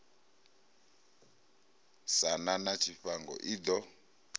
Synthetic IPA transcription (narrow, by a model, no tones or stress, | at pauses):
sananat͡ʃʰifaŋɡɔ̰ʔid̪ɔ